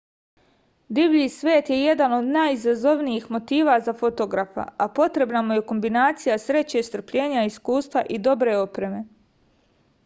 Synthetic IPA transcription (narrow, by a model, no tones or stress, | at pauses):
d̪ibʎiːsʋeːt̪je̞je̞d̪ano̞d̪najizazo̞ʋnijiːxmo̞t̪iːʋazafo̞t̪o̞ɡɾafa̰apo̞t̪ɾe̞bnamuje̞ko̞mbinaːt̪sijasɾe̞t͡ɕe̞st̪r̩pʎeːɲaiskuːst̪ʋaʔid̪o̞bɾe̞o̞pɾe̞me̞